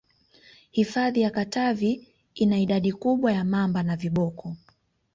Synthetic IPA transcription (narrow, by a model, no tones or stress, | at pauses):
hifaðijakatavi | inaiɗaɗikuɓwajamambanaviɓɔkʰɔ